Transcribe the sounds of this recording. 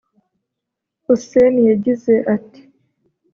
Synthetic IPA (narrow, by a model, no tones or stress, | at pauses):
usenijaɟize̞ʔati̥